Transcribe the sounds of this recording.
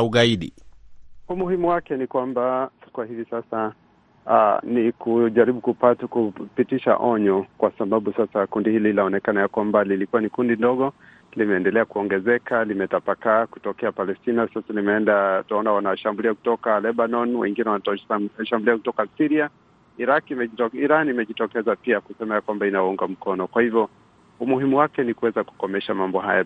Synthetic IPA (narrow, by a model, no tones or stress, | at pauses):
uɠaiɗḭ | umuhimuwakɛnikwambasi̥kuwahivisasa | nikuʄaɾiɓukupatakupitiʃa̰ʔɔɲɔkwasaɓaɓusasakundihilinaɔnɛkanajakwambalilikuwanikundindɔɠɔ | limɛɛːndɛlɛakuɔŋɡɛzɛkʰalimɛtapakaku̥tɔkɛapalɛstinasasanimɛɛndataɔnawanaʃambuliaku̥tɔkalɛɓanɔnwɛ̰ŋɡinɛwanatʃambuliakutɔkasiɾia | iɾakimɛiɾanimɛʄitɔkɛzapiakusɛmajakwambainauŋɡam̩kɔnɔkwahivjɔ | umuhimuwakɛnikuwɛzaku̥kɔmɛʃamambɔɦa̰ja